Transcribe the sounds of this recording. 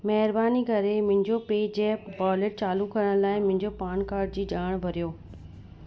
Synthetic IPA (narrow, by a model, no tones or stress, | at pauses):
mɛɦɪɾbaːnikɐɾemɪ̃ɦɪ̃ɲd͡ʑopeːd͡ʑɛːpbɔːleʈ̚t͡ɕaːlukɐɾəɽ̃laːɪmʊ̃ɦɪ̃ɲd͡ʑopaːɳkaːɾɖ̚d͡ʑiːd͡ʑaːɽ̃ʋɐɾijoː